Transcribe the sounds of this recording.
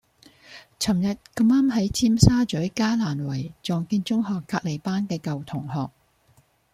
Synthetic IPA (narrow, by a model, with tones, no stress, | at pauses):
t͡sʰɐ˨˩mjɐ˨t̚kɐ˧maː˥mɦɐ˨˥jt͡sʰiː˥msaː˥t͡ʃɵ˨˥ɥkaː˥laː˨˩nwɐ˨˩jt͡sɔː˨˧ŋkiː˧nt͡ʃʊ˥ŋhɔː˨kːaː˧t̚le˨˩jpaː˥nkɛː˧kɐ˨wt̪ʰʊ˨˩ŋhɔː˨k̚